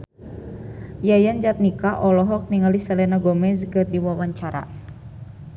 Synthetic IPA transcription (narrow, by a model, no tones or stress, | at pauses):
jajand͡ʒat̪̚nikaʔɔlɔɦɔk̚niŋalisɛlɛnaɡɔmɛzkɨrdiwawaɲt͡ʃaɾa̰